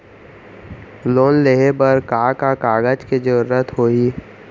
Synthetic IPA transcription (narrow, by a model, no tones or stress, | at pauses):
loːnleɦebəɾkaːkakaːɡəd͡ʒked͡ʒəɾuɾət̪ɦoːiː